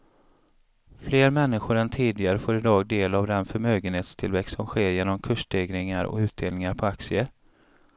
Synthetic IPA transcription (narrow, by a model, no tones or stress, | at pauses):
fleːɾmɛnːɪɧʊɾɛnt̪ʰiːd̪ɪɡaɾəfoːɾɪd̪ɑːɡ̚d̪eːlavd̪ɛnfœɾmøːɡənheːt̪st̪ʰɪlvɛkst̪sɔmɧeːɾjeːnɔmkʰɵʂdeːɡɾɪŋaɾɔ̰ʉ̟ːt̪̚d̪eːlnɪŋaɾpʰɔaksɪə